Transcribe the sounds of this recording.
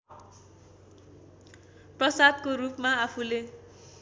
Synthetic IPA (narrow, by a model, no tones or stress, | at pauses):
prʌsad̪koɾupmaapʰule